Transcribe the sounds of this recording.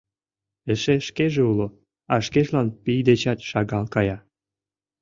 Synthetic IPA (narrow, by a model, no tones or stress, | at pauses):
ĕʃeʃkeʒeulo | ɑʃkeʃlɑnpijd̪et͡ɕɑt̪ʃɑɣɑlkɑjɑ